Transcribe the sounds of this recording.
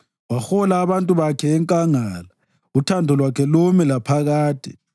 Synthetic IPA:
waxɔlaːβantʼuβakʰɛːŋkʼaŋaːla | utʰandʱɔlwakʰɛlumilapʰaɣaːtʼḭ

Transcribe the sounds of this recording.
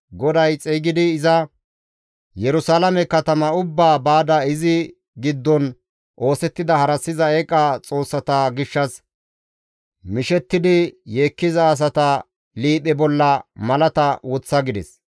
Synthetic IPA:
ɡɔd̪ɐjt͡sʼɛːɡɪd̪ɪːzɐ | jɛɾʊsaːlɐmɛkːɐt̪ɐmɐʊbːaːbaːd̪ɐɪzɪ | ɡɪd̪ːɔn | ʔo̞ːsɛt̪ːɪd̪ɐhɐɾɐsːɪzɐekʼːat͡sʼo̞ːsːɐt̪ɐɡɪʃːɐs | mɪʃɛt̪ːɪd̪ɪjeːkːɪzɐːs̬ɐt̪ɐ | liːpʼɛbɔlːɐmɐlɐt̪ɐwɔt͡sːɐɡɪd̪ɛs

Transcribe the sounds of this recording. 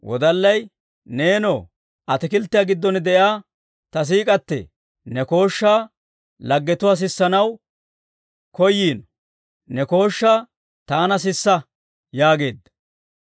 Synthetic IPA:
wɔ̰d̪ɐlːɐj | ne̞ːnoː | ʔɐt̪ɪkɪlt̪ːɪjaːɡɪd̪ːɔnd̪ɛjaː | t̪ɐs̬iːkʼɐt̪ːɛ̰ | nɛko̞ːʃːaː | lɐɡːɛt̪ʊwaːs̬ɪsːɐnɐw | kɔjːiːnɔ | nɛko̞ːʃːaː | t̪aːnɐs̬ɪsːɐ | jaːɡe̞ːd̪ːɐ̥

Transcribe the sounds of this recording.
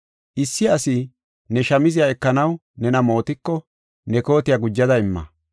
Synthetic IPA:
ʔɪsːɪɐsɪ | nɛʃɐmɪzɪjaɛkːɐnɐw | nɛnɐmo̞ːt̪ɪkːɔ | nɛko̞ːt̪ɪjɐɡʊd͡ʒːɐd̪ɐɪmːɐ̰

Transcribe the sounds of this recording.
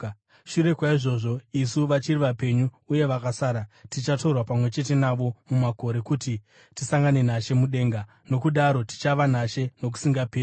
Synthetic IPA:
ʃuɾe̞kwaiʐo̞ʐo̞isuʋat͡ʃiriʋape̞ɲuːje̞ʋakasaːɾatit͡ʃatorwapamwe̞t͡ʃe̞t̬e̞naʋo̞mumako̞ɾe̞kuti | tisaŋɡane̞naʃe̞muɗe̞ːŋɡa | no̞kuɗaɾo̞ti̥t͡ʃaʋanaʃe̞no̞k̬u̥siŋɡapeːri

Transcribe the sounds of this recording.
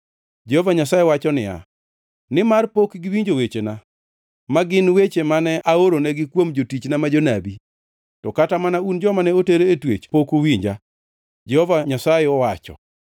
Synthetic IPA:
d͡ʒɛhovaɲasajewat͡ʃɔnɪ̰ja̰ | nɪmarpokɡɪwiɲd͡ʒowet͡ʃena | maɡɪnwet͡ʃemanɛʔaoɾonɛɡɪkwomd͡ʒotit͡ʃnamad͡ʒonabi | tɔkatamanaund͡ʒɔmanɛoteɾeːtwḛt͡ʃpokowiɲd͡ʒa | d͡ʒɛhovaɲasaɪɔwat͡ʃɔ̰

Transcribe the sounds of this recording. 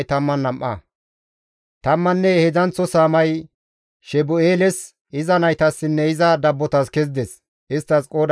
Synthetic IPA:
jt̪ɐmːɐnːɐmʔɐ̰ | t̪ɐmːɐnːɛhɛzɐnt͡sːɔsaːmɐj | ʃɛbʊeːlɛs | ɪzɐnɐjt̪ɐsːɪnːɛɪzɐd̪ɐbːɔt̪ɐskɛzd̪ɛs | ɪst̪ːɐskʼoːd̪

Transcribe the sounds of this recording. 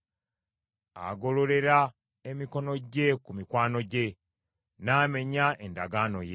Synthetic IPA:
a̰ɡo̞lo̞le̞ɾa | e̞miko̞no̞ɟe̞kumikwaːno̞ɟe̞ | naːme̞ɲaʔe̞ndaɡaːno̞̰je

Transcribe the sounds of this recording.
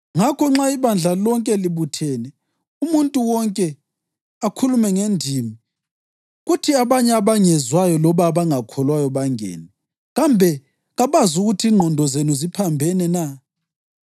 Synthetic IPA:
ŋakʰɔŋ͡ǁaiβand͡ɮʱalɔŋkʼɛliβutʰɛːnɛ | umuntʼuwɔŋkʼɛ | akʰulumɛŋendʱimi | ɣutʰiaβaɲɛaβaŋɛzwajɔlɔβaβaŋakʰɔlwajɔβaŋɛ̰ːnɛ | ɣambʱɛ | ɣaβazuɣutʰiːŋ͡ǃʱɔndʱɔzenuzipʰambʱɛnɛna

